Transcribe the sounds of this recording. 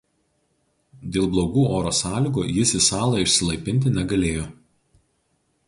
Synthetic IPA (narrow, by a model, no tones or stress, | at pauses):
d̪ʲeːlˠblˠoːɡuːoːɾoːsɑːlʲɪˑɡoːjɪsɪsɑːlˠɐɪʃʲsʲɪlˠɐɪpʲɪnʲt̪̬ʲɪnʲɛɡɐlʲeːjoː